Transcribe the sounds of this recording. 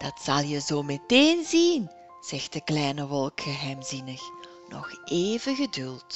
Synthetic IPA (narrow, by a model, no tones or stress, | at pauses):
d̥ɑtsɑlˠjəzoːmeteːnzin | z̥ɛxt̚dəklɛjnəʋɔlˠkxəɦɛjmzinəx | nɔ̰xeːvəɣədʏlˠt